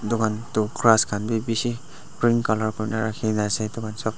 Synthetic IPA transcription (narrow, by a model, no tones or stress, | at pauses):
dukʰantukɹaskʰanbibisi | pɹiŋkalɔɹkɔnaɹakʰinasɛdukʰansɔb